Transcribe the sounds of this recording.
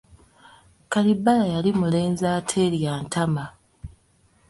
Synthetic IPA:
kalibːalajalimule̞ːnzaːtʰe̞ːljaːntʰama

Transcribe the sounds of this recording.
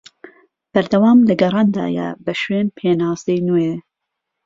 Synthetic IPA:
b̥ɐɾd̪ɐwɑːmlɐɡɐrˤɑːnd̪ɑ̰ːjɛ̰bɐʃweːnpʰeːnɑːzejnoje

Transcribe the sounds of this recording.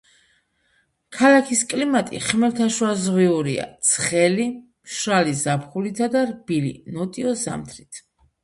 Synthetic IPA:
kʰalakʰiskʼlimat̪ʼḭχmɛlt̪ʰaʃwazʁwiuɾia̰t̪sʰχɛli | mʃɾalizapχulit̪ʰad̪aɾbilḭnɔt̪ʼiɔza̰mt̪ʰɾit̪ʰ

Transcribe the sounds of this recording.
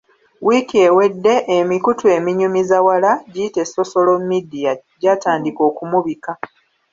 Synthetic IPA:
wikiewe̞dːe̞ʔemikutwe̞ːmiɲumizawalaɟiːte̞sːo̞so̞lomidijaɟaːtaːndiko̞ːkumuβika

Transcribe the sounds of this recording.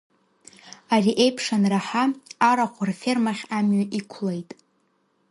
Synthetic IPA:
ariʔe̞jpʰʂanraħaːɾaqʷʰarfermaχʲamɥaʔikʷʰlejtʼ

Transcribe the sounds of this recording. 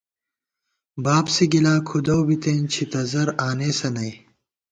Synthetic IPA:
baːbsiɡilaːkʰud̪ɐwbit̪eːnt͡ɕʰit̪ɐzɐɾaːneːsɐnɐj

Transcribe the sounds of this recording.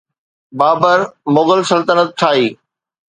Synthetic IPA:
baːbəɾmʊɣəlsɐlt̪ənət̪̚t͡ʃʰaːiː

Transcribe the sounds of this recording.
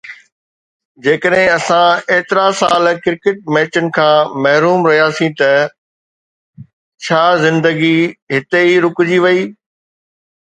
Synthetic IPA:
d͡ʑeːkəɗɦɪ̃ɐsãeːt̪ɪɾasaːlkɪɾkɪʈ̚mɛːt͡ɕənɪ̆kʰãːmɐɦɾuːmɾɐɦijasĩt̪ɐ | t͡ɕʰaːzɪ̃nd̪əɡiɦɪt̪eiɾʊkʊd͡ʑiʋɐiː

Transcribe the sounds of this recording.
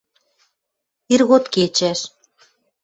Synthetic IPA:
irɣot̪ket͡ɕæʃ

